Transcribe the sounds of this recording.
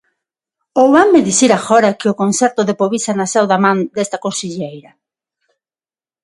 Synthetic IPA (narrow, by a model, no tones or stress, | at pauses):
owβameðiθiɾaxɔɾɐkɪʊkonθɛɾt̪ʊðepoβisanasɛwðamãnd̪est̪ɐkosiʎejɾɐ